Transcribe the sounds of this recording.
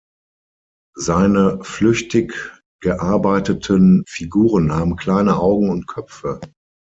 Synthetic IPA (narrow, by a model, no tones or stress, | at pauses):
zaɪnəflʏçtɪk | ɡ̥əʔaɐbaɪtətʰənfiɡuːʁənhaːbm̩kl̥aɪnəʔaʊɡŋ̩ʊnt̚kʰœp͡fə